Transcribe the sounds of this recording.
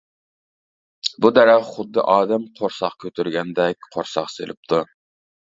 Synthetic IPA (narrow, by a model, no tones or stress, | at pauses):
bud̪ɛɾæʁχʊd̪ːɨʔɑːd̪ɛmqʰoɾsɑχkʲʰøt̪ʰyɾɡʲɛnd̪ɛk̚ʲqʰoɾsɑ̰χsḛlɪp̚t̪ʰu